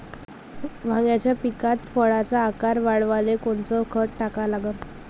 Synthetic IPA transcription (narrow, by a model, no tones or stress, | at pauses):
ʋ̤ãŋɡjat͡ɕjapikat̪fəɭat͡saːkaɾʋaɽʋalekoɳt͡sɔkʰəʈʈakalaɡə